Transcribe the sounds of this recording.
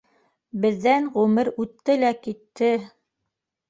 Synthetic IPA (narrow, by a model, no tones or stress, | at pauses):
bɘ̆ðːænʁʉmɘɾʉt̪ːɘlækit̪ːɘ